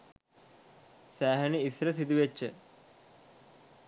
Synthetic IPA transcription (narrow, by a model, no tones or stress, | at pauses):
sæːɦɐniisɾɐs̬id̪iʋet͡ɕːə